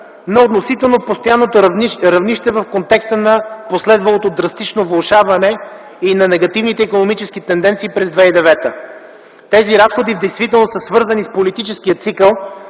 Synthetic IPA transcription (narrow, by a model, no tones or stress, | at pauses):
nɐot̪nosit̪ɛlˠnopost̪ojanːot̪oɾɐvniʃt̪ɛvɐfkont̪ɛkst̪ənɐposlɛd̪vɐlˠot̪od̪ɾɐst̪it͡ʃnovlolˠʃavɐnɛ | inɐnɛɡɐt̪ivnit̪ɛikonomit͡ʃɛsk̟it̪ɛnd̪ɛnt̪siːpɾɛzd̪vɛid̪ɛvɛt̪ə̰ | t̪ɛziɾasxod̪ivd̪ɛjst̪vit̪ɛlˠnosəsvɤɾzɐnispolit̪it͡ʃɛskiət̪sikəlˠ